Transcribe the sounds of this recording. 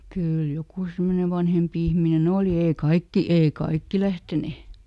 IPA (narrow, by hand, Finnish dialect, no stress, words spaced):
kyːl jokuˑ semːone ʋɑnhempi ihminen oˑli eː kɑikːi ei kɑikːi læhtene